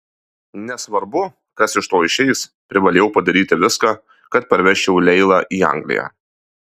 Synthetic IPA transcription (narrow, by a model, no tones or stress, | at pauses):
nʲɛsʋɐɾbʊ | kɐsɪʃt̪oːɪʃʲɛɪspʲɾʲɪʋɐlʲeːjɛʊpɐd̪ɐɾʲiːt̪ʲɪʋʲɪskɑː | kɐt̪̚pɐɾʲʋʲɛʃʲt͡ʃʲɛʊlʲɛɪlˠɑʔiːɐ̰ŋɡlʲɪ̰jæ̰ː